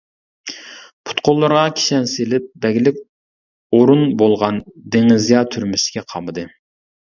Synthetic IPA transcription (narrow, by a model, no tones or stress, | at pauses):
pʰu̥t̪qʰolˠːɑɾʁɑkʲʰi̥ʃɛnselɪp̚d̪ɛɡʲɪlɪk̚ʲ | oɾunbolˠʁɑnd̪eŋɪzijɑt̪ʰyɾmysɪ̥kʲɛqʰɑmɨd̪ɨ